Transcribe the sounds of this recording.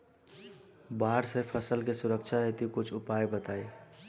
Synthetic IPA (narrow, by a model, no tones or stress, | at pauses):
baɾsəpʰəsəlkesuɾək̚t͡ʃʰaɦet̪ikut͡ʃʰupaebət̪ae